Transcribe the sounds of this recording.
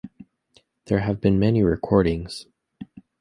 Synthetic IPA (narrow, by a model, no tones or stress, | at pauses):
ðə˞ɨvbɨ̃nmɛniɹɪkʰɔɹɾɪ̃ŋz̥